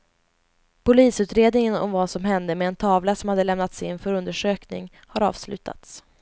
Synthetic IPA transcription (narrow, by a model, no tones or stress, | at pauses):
pʊliːsʉ̟ːt̪ɾeːd̪nɪŋənɔ̰mvasɔmɦɛnd̪əmɛːnt̪ʰɑːvlasɔmhad̪ːəlɛmnat̪sɪnfœɾɵnd̪əʂøːknɪ̰ŋ | haɾɑ̰ːv̥slʉ̟ːt̪ʰa̰t̪s